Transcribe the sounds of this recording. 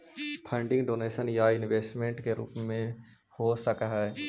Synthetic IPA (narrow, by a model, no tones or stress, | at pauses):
pʰə̃ːɳɖɪ̃ŋɡɖoːneːʃənjaɪnʋeːsʈmẽːɳʈkeɾṵːpmẽ | hosəkɦɛː